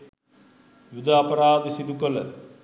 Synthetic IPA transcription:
jud̪aːpɐɾaːd̪əsid̪ukələ

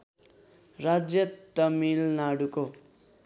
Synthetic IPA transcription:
rad͡zjʌt̪ʌmilnaɽuko

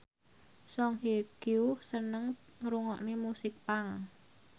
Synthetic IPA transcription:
sɔŋɦeɡ̥jusənəŋŋɾuŋɔʔnemusɪk̚paŋ

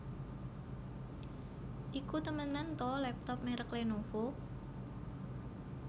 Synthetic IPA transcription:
ʔikut̪əmənant̪ɔlɛp̚t̪ɔp̚meɾəklenofo

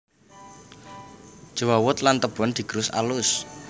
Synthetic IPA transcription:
d͡ʒ̥əwawʊt̪lant̪əb̥ɔnd̪̥i̤ɡ̥ɾʊsa̰lʊs

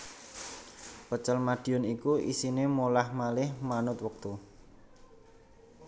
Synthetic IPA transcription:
pət͡ʃəlmaɖ̥iɔnikuʔḭsinemolahmalɪhmanʊt̪̚wək̚t̪u

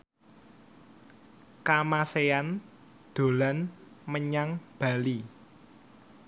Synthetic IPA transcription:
kamasean | d̪̥o̤lan | məɲaŋb̥a̤li

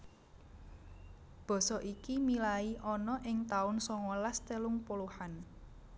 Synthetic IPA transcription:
b̥ɔ̤sɔʔikimilaiʔɔnɔʔɪŋt̪aʊnsɔŋɔlast̪elʊŋpoluhan

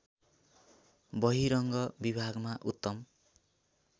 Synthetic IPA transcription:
bʌɦiɾʌŋɡʌbibʱaɡmaʔut̪ːʌm

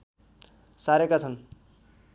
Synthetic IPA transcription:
saɾekat͡sʰʌn

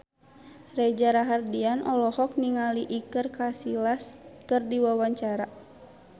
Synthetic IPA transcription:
rɛd͡ʒaɾaɦardianʔɔlɔhɔk̚niŋaliʔikɨrkasilaskɨrdiwawaɲt͡ʃaɾa

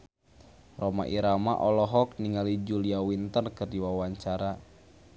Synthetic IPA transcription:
rɔma̰ʔiɾama̰ʔɔlɔɦɔk̚niŋalid͡ʒuliawint̪ərkɨrdiwawaɲt͡ʃaɾa

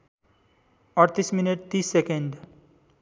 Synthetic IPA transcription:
ɔɾt̪ismineʈ̚t̪isːekẽɳɖ

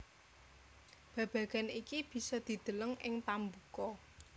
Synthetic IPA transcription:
b̥ä̤b̥ä̤ɡ̥a̤nikib̥i̤sɔd̪̥i̤d̪̥ə̤ləŋɪŋt̪ambukɔ

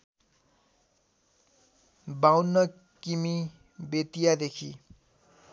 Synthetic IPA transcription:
bawnːʌ | kimi | bet̪ijad̪ekʰi

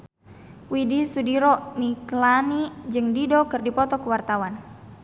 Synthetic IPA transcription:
widisudiɾɔniklanid͡ʒɨŋdidɔkɨrdipɔt̪ɔkəwart̪awan

